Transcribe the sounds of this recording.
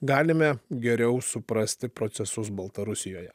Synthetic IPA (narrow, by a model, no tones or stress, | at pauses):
ɡɑːlʲɪmʲɛɡʲɛɾʲɛʊsʊpɾɐsʲt̪ʲɪpɾot̪sʲɛsʊs̬bɐlˠt̪ɐɾʊsʲɪjoːjɛ